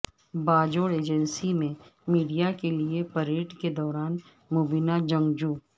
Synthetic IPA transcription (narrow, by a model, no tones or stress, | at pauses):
baːd͡ʒoːɽeːd͡ʒənsimẽmiːɖijakeliepɐɾeːʈked̪ɔːɾaːn | mobinad͡ʒɐ̃ŋɡd͡ʒuː